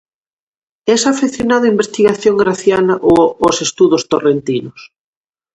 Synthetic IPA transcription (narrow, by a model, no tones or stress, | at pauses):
ɛsafeθjonaðʊimbest̪iɣaθjoŋɡɾaθjanɐʔoosest̪uðʊst̪orent̪inʊs